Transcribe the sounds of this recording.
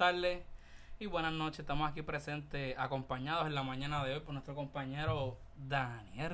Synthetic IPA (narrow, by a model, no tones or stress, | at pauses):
t̪aɾd̪es | iβwe̞nasno̞t͡ʃeset̪amosakipɾese̞nt̪eako̞mpaɲaðosenlamãɲãnaðeo̞jpoɾnwet̪ɾo̞ko̞mpaɲe̞ɾo̞ | d̪anje